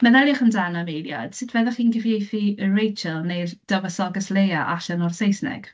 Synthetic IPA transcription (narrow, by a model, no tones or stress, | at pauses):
məðɛljaχəndanavejlja̰d̥sɪtʰvɛðəχiːnɡɪvjejθiərejt͡ʃəlˠnejðd̥əvəsɔɡəslejaʔaɬənɔrsejsnɪ̰ɡ̥